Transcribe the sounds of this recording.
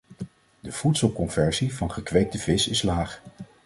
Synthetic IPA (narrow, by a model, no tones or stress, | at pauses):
dəv̥utsəlˠkɔnvɛɹzivɑnχəkʋejk̚təvɪsɪslaːχ